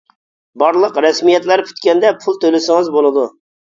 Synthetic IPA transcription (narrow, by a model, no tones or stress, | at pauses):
bɑɾlˠəqɾɛsmijɛt̪læɾpʰy̥t̪kʲɛnd̪ɛpʰulˠt̪ʰølɪsɪŋɨzbolˠɨd̪u